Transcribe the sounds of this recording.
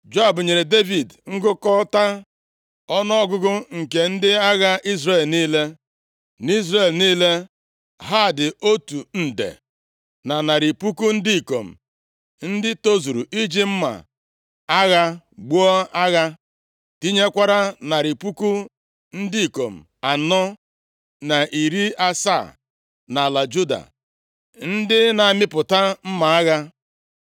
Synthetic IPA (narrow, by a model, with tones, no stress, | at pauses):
d͡ʒo˦a˨bʊ˨ɲe˨ɾe˨de˦vi˨dŋ̩˦ɡʊ˦kɔ˦ta˦ | ɔ˦nɔ˦ɔ˦ɡʊ˦ɡʊ˦ŋ̩˨ke˨n̩˦dɪ˦a˦ɣa˦ʔi˦zre˨lniː˦le˦ | ni˦zre˨lniː˦le˦ | ɦa˦˨dɪ˨o˦tu˨n̩˨dḛ˨ | na˨na˨ɾi˨pu˦ku˦n̩˦di˦i˨ko˨m̩˨ | n̩˦dɪ˦to˦zu˨ɾu˨i˦d͡ʒi˦m̩˦ma̰˨ | a˦ɣa˦ | ɡ͡bu˦ɔ˦a˦ɣa˦ | ti˦ɲe˦kʷa˦ɾa˦na˨ɾi˨pu˦ku˦ | n̩˦dɪ˦i˨ko˨m̩˨ | a˨nɔ˦ | na˨ʔi˨ɾi˦a˦sa˦˨ | na˨la˨d͡ʒu˦da̰˨ | n̩˦dɪ˦na˨mɪ˦pʊ˨ta˦m̩˦ma˨a˦ɣa˦